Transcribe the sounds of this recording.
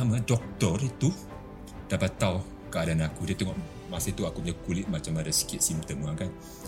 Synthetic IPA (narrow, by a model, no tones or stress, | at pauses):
amadɔk̚t̪ɔrit̪u | d̥apat̪aw | kəadanakudiət̪ɛŋɔʔ | masait̪uakupəɲakulɪt̪̚mat͡ʃamadasi̥kɪt̪̚simt̪əmaŋkan